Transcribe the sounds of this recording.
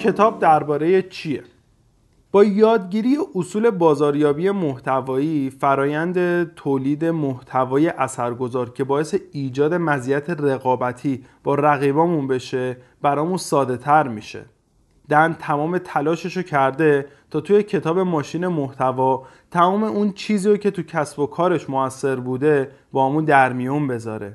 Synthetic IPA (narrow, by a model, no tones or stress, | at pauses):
cʰe̞t̪ʰɒːb̚d̪æɾbɒːɾe̞je̞t͡ʃʰiḛ | b̥ɒːjɒːd̪ɟiːɾijeʔosuːle̞bɒːzɒːɾjɒːbije̞moht̪ʰævɒːiːfæɾɒːjænd̪e̞t̪ʰoːliːd̪emoht̪ʰævɒːje̞ʔæsæɾɡo̞zɒːɾcʰe̞bɒːeseiːd͡ʒɒːd̪e̞mæzijæt̪ʰe̞re̞ɣɒːbæt̪ʰiːb̥ɒːɾæɣiːbɒːmunbe̞ʃe̞ | b̥æɾɒːmunsɒːd̪e̞t̪ʰæɾmiːʃe̞̰ | d̪̥ænt̪ʰæmɒːme̞t̪ʰælɒːʃeʃocʰæɾd̪e̞t̪ʰɒːt̪ʰuje̞cʰe̞t̪ʰɒːbe̞mɒːʃiːne̞moht̪ʰævɒː | t̪ʰæmɒːme̞ʔunt͡ʃʰiːziːɾocʰe̞t̪ʰucʰæsbo̞kʰɒːɾe̞ʃmoæsːe̞ɾbuːd̪e̞ | bɒːhæmund̪æɾmijunbe̞zɒːɾe̞